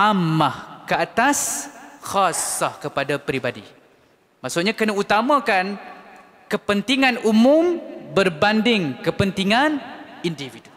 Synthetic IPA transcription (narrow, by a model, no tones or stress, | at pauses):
ʔamːahkəat̪asxasahkəpadapɾibadḭ | maʔsʊʔ̪̚ɲãkənaut̪amãkan | kəpənt̪iŋãnumũmbərbandɪŋkəpənt̪iŋanindividu